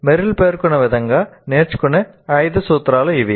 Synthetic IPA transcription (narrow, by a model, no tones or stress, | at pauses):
mɛɾɪlpeːɾkɯnɐʋɛðɐŋɡaːneːt͡ʃkʊnɛ | ɐɪðɯsuːt̪ɾaːlɐɪʋi